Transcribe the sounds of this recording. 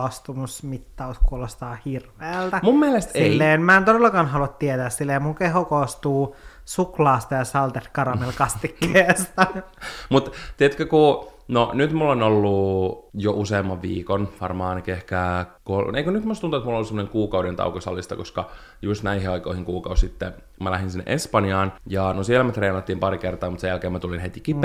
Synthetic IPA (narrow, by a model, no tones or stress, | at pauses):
ɑst̪umusmit̪ːɑuskuolost̪ɑːhirʋeːlt̪æmumːielest̪seilːeːenmæːent̪odelːɑkɑːnɦɑluɑt̪t̪iet̪æːssilːejmuŋkeɦokost̪uː | suklɑːst̪ɑjɑsɑlt̪et̪kɑrɑmelkɑst̪ikːeːst̪ɑmut̪t̪iet̪kækunonyt̪mulːonolːujoʔuseːmːɑʋʋḭːkonʋɑrmɑːnkehkæːkoleikønyt̪must̪unt̪uet̪mulːolusemːoneŋkuːkɑudent̪ɑ̰ukosɑ̰lːist̪ɑ̰koskɑ | just̪næiɦiɑikoihiŋkuːkɑussit̪ːe | mælæhinsinːḛʔespɑniɑːnjɑnosielmet̪reːnɑt̪ːiːmpɑrikert̪ɑːmut̪sejælkeːmæt̪ulinɦet̪ikipː